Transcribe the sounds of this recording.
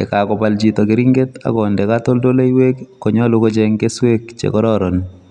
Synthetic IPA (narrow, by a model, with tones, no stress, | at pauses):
ɛ̰˨ka˨kɔ˨pa˨ld͡ʒi˨t̪ɔ˨kɪ˨ɾɪ˦ŋɡe˦ta̰˦ɡɔ˨ndɛ˨kat̪o˦ldo˦le˦i˦we˦kːo˨ɲɔ˦lo˦ko˦d͡ʒe˦ŋke˦swe˦kt͡ʃḛ˨kɔ˦ɾɔ˦ɾɔ˨n